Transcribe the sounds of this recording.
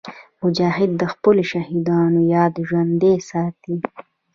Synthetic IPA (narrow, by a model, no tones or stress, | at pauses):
mʊd͡ʒɑɦɪd̪ːəxpəloʃahid̪ɑnojɑd̪ʒwand̪esɑːt̪i